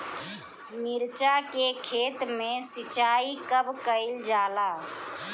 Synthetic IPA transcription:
miɾt͡ʃakekʰet̪mesit͡ʃaikəbkəɪld͡ʒala

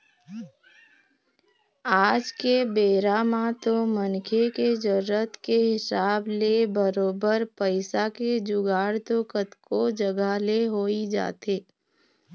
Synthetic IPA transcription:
aːd͡ʒkebeːɾaːmat̪omənkʰeked͡ʒəɾət̪keɦɪsaːblebəɾoːbəɾpəɪsaked͡ʒʊɡaːɽt̪okət̪kod͡ʒəɡaleɦoːid͡ʒa̰ːt̪eː

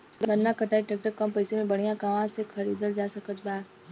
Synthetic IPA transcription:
ɡɡənːakəʈaːiʈɛːk̚ʈəɾkɐmpɐɪsemẽbɐɽ̤̃ijãkaʋãsekʰɐɾiːd̪əld͡ʒaːsəkət̪̚baːt̪

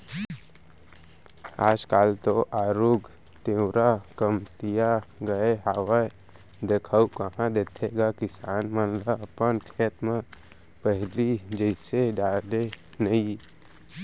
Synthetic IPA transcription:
aːd͡ʒkaːlt̪oʔaːɾuːɡ | t̪ẽʊɾakəmt̪ijaɡəeɦaːwa | d̪eːkʰaukəɦãd̪eːt̪ʰeɡakɪsaːnmənlaəpənkʰeːt̪mẽ | pəɦlid͡ʒəɪseɖaːle | nəi

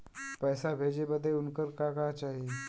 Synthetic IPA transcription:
pəjsabʱed͡ʒebəd̪ʱːeunkəɾkakat͡ʃaːɦi

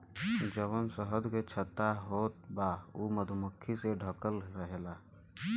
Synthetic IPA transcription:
d͡ʒəʋənsəɦəd̪ket͡ʃʰət̪ːaɦoːt̪̚bauməd̪ʱuməkʰːiseɖʱəkəlɾəɦelaː

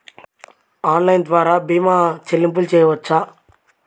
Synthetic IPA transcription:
aːnlɐjnd̪ʋaːɾaːbiːmaːt͡ʃelːimp̬ult͡ʃɛːjɐʋɐt͡ʃːaː

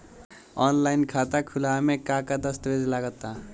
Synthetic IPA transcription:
ɔnlajnkʰat̪akʰulamekakad̪ʌst̪əbed͡zlaɡət̪ːa

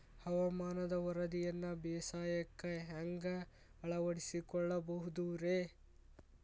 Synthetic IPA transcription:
hɐʋɐmaːnɐd̪ɐʋɐɾɐd̪ijɐnːɐbeːsaːjɐkːɐɦɐŋɡɐ | ɐɭɐʋɐɽisikɔɭːɐbɐɦud̪uɾe

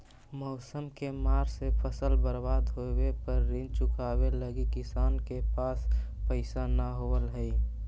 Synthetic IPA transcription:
mɔʊsəmkemaːɾsepʰəsəlbəɾbaːd̪ɦowepəɾːĩnt͡ʃʊkaːweləɡikɪsaːnkepaːspəɪsanəɦoəlɦəi

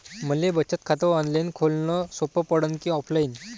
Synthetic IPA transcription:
m̤ənlebət͡ɕət̪̚kʰat̪əɔ̃nd̪lajnkʰolnɔsopəpəɽənkĩɔpʰlajin

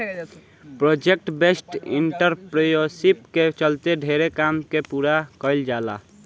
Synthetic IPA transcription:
pɾod͡ʒek̚ʈbesʈḭɳʈəɾpɾejosipket͡ʃəlt̪eɖʱeɾekamkepuɾakəɪld͡ʒala̰

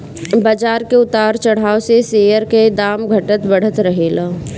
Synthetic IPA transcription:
baːd͡ʒaːɾkeʊt̪aːɾt͡ʃɐɽ̤aːoseseːjəɾked̪aːmɡʱɐʈət̪bɐɽ̤ət̪ɾɐɦeːlaː

